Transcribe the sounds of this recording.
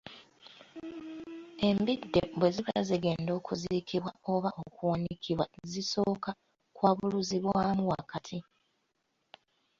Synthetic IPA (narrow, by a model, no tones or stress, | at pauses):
e̞mbidːḛbwe̞ziβa̰ziɡe̞ːndo̞ːkuziːkiβwao̞βaʔo̞kuwanikʰiβwaziso̞ːka | kwaːβuluziβwaːmuwakatʰi